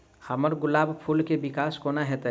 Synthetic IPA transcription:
hɐməɾɡʊlaːbpʰulkebɪkaːskoːnaɦɛt̪e

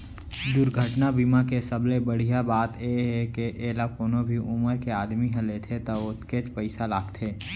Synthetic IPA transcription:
d̪ʊɾɡʱəʈnabiːmakesəblebəɽ̤ijabaːt̪jeɦɛkeʔeːlakoːnobʱiʔʊməɾkeaːd̪miɦə̃let̪ʰet̪ɐʊt̪ket͡ʃpəɪsalaːɡt̪ʰeː

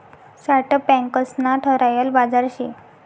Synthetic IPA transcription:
saʈəpɛ̃ŋkəsnaʈʰəɾajəlbad͡zaɾɕi

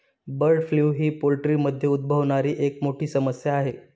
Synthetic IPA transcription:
bəɾɖfljuːɦiːpolʈɾiːməd̪ʱːjeud̪̚bʱəʋɳ̃aɾiːʔekmoʈʰiːsəməsjaːɦe

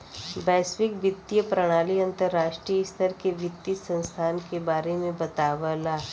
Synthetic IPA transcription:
bɛːsʋɪkʋɪt̪ːjəpɾɐɽ̃aːliɐ̃nt̪əɾːaːʃʈɾijɪst̪ʰəɾkeʋɪt̪ːisə̃nst̪ʰaːnkebaːɾemẽbɐt̪aːʋəlaː

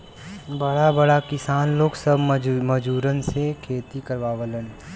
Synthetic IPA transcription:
bəɽabəɽakɪsaːnloːɡsəbməd͡ʒuːɾənsekʰeːt̪ikəɾʋaːʋələn

